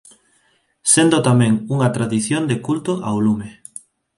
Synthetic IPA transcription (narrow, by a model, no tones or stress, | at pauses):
send̪ot̪amɛ̃ŋuŋɐt̪ɾaðiθjond̪ekult̪oʔa̰olume